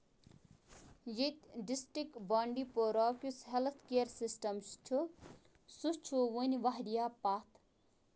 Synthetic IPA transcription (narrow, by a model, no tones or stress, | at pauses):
jit̪ʲɖisʈik̚ʈbaɳɖipoɾɔːkʲusɦelt̪ʰkeəɾsisʈɐmst͡ʃʰu | sust͡ʃʰuʋunʲʋaɦɾijapaːt̪ʰ